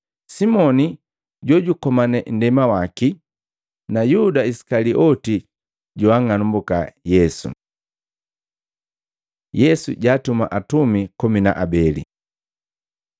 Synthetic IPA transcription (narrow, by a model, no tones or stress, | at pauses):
simɔni | ɟɔɟukɔmanɛn̩dɛmawaki | najudaisi̥kaliʔɔti | ɟuaŋanumbukajɛsṵ | jɛsṵɟaːtuma̰ʔatumikɔmina̰ʔabɛlḭ